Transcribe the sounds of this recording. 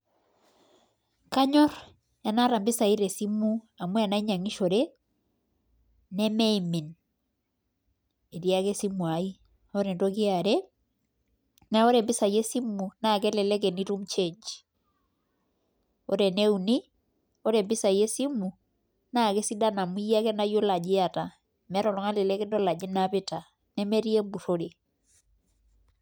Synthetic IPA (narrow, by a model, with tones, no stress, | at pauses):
ka˦ɲɔ˦ɾ | ja˨na˦ɾa˨mbi˦sa˨i˦ɾɛ˨si˦mu˦ | a˨mwɛ˦a˨na˦i˦ɲa˨ŋi˦ʃo˨ɾɛ | nɛ˦mɛ˦imi˨n | e˨ɾia˦ke˦si˦mwa˨i˦ | ɔ˦ɾɛ˨ndoki˦a˨ɾɛ | na˦o˦ɾɛ˨mbi˦sa˨je˦si˦mu˨na˦˨kɛ˦lɛ˨lɛ˦kɛ˨ni˦tu˦mt͡ʃe˦d͡ʒ | ɔ˦ɾɛ˨ne˦u˨ni˦ | ɔ˦ɾɛ˨bɪ˦sa˨je˦si˦mu˨ | na˦˨kɛ˦si˦da˦na˨mu˦ja˦kɛ˦na˦jo˦la˨d͡ʒɪ˦a˨ta˨ | mɛ˦ɾɔ˨lɔ˨ŋa˦lɛ˨lɛ˦kɛ˦ndɔ˦la˨d͡ʒi˦na˦pɪ˦ta˨ | nɛ˦mɛ˦ɾi˦e˦bu˨ɾo˦ɾe˨